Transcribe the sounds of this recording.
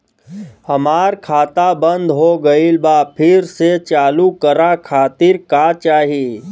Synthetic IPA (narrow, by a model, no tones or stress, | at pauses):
hɐmaːɾkʰaːt̪abə̃nd̪ɦoɡəilbaːpʰɪɾset͡ʃaːlukəɾakʰaːt̪ɪɾkaːt͡ʃaːɦiiː